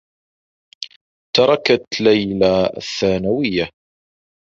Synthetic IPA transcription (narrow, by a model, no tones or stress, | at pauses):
t̪ɑɾˤɑkat̪lajla̰θːaːnawɪjːa